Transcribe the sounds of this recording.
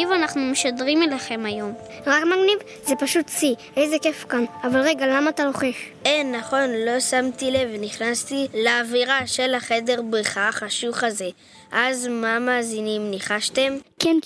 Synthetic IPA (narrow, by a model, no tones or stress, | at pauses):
ivanaχnumeʃadʁimelaχe̞majo̞m | ʁakmaɡniv | ze̞paʃut̪t͡si | ejze̞ke̞fkanavalʁe̞ɡalamaːt̪alo̞χe̞χʔenːaχo̞nlo̞samt̪ile̞vniχnast̪ileːviʁaʃe̞laχe̞de̞ʁbʁiχaχaʃuχaze̞ | ʔazmamaːzinimniχaʃt̪e̞mken